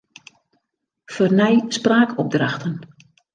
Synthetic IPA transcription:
fornɛjspraːkɔp̚draxtən

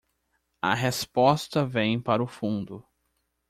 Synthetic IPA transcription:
ɐ̰ɦespɔst̪ɐvẽj̃paɾʊfũnd̪ʊ

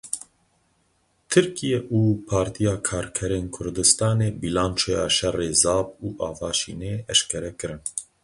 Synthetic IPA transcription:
t̪ʰɨɾkijɛʔuːpʰɑːɾt̪ʰijɑːkʰɑːɾkʰɛɾeːnkʰʊɾd̪ɨst̪ɑːneːbilaːnt͡ʃʰeja̰ːʃɛreːzɑːbuːʔɑːvɑːʃḭːneːʔɛʃkʰɛɾɛkɨɾɨn

